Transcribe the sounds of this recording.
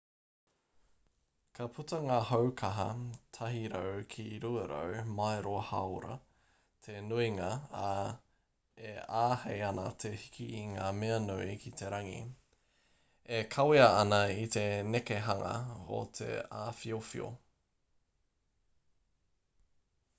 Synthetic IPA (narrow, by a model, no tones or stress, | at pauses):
kʰɐpʰutɐŋaːhowkʰɐɦɐtʰɐɦiɾəwkʰiɾuɐɾə̰wmajɾohɐwɾɐ̰ | tʰenuiŋaa | eaːhejɐnɐt̪ʰehikʰiːŋaːmeɐnuikʰit̪ʰeɾɐŋḭ | ekʰɐwiɐɐnɐit̪e̞nekeɦɐŋɐ̰o̰t̪ʰḛaːfiofḭo̰